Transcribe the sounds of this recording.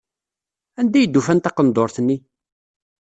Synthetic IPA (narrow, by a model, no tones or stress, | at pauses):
ænd̪æjəd̪ːufænt̪ɑqənd̪oɾθənːi